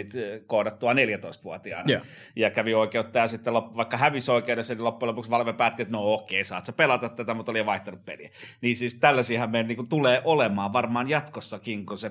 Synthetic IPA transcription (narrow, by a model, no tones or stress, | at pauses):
it̪koˑɾɑt̪t̪uɑneljæt̪oist̪ʋuot̪iɑ̰ːnɑ | jɑkæʋioikeut̪ːɑjɑsit̪ːelopːʋɑikːɑhæʋisoikeudesːɑnilopːuelopuksʋɑlʋepæːt̪ːiet̪nookːˑeisɑːt̪sepelɑt̪ɑt̪t̪ːæt̪æmut̪oliɑʋɑiht̪enuppḛliæniːsiːst̪ælːæsiːhɑmmenniːkunt̪uleːʔolemɑːʋɑrmɑːnjɑt̪kosːɑkiŋkuse